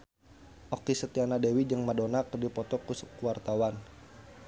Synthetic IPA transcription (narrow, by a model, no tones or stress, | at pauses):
ʔɔkisət̪ianadewid͡ʒəŋmadonakədipɔt̪ɔkuskuwart̪awan